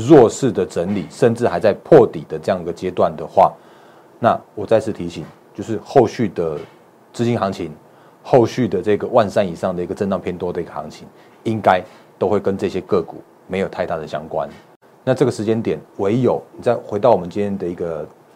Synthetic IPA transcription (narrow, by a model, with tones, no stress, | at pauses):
ɻwɔ˥˧ʂɻ̩˥˩d̪ə˩ʈ͡ʂə˧˦nli˨˩ʂə˥˧nʈ͡ʂɻ̩˥˩xa˧˥ɪt͡sa˥˧ɪpʰɔ˥˨t̪i˨˩d̪ə˩ʈ͡ʂɤ˥˧jɑ˥˩ŋi˩ɡə˩t͡ɕjɛ˥t̪wa˥˩nd̪ə˩xwa̰˥˩ | na˥˩˨wɔ˨˩t͡sa˥˧ɪt͡s̩ʰ˥˩t̪ʰi˧˥ɕi˨˩ŋt͡ɕjo˥˧ʊʂ̬ɻ̩˥˩xo˥˧ʊɕy˥˩d̪ə˩ | t͡sɹ̩˥t͡ɕi˦˥nxɑ˧˥ŋt͡ɕʰi˧˦n | xo˥˧ʊɕy˥˩d̪ə˩ʈ͡ʂɤ˥˧ɡə˩wa˥˧nʂa˥ni˨˩ʂɑ˥˩ŋd̪ə˩i˧˥ɡə˨˩ʈ͡ʂə˥˧nɑ˥˧ŋpʰjnt̪wɔ˥d̪ə˨i˧˥ɡə˨˩xɑ˧˦ŋt͡ɕʰi˧˥ŋ | i˦˥ŋka˥˦ɪt̪o˥ʊxwe˥˩ɪkə˦nʈ͡ʂɤ˥˧ɕjɛ˦˥kɤ˥˩kṵ˨˩˦ | me˧˥ɪjo˨˩t̪ʰa˥˧ɪt̪a˥˩ɾə˨˩ɕjɑ̰˦ŋkwa̰˦n | na˥˧ʈ͡ʂɤ˥˩ɡə˩ʂɻ̩˧˥t͡ɕjɛ˥nt̪jɛ˨˩nwe˧˦ɪjo˨˩˦ʊni˨˩t͡sa˥˩ɪxwe˧ɪt̪ɑ˥˩ʊɔ˨mə˨˦nt͡ɕĩ˥nt̪ʰjɛ˥nd̪ə˨i˧˥ɡə˨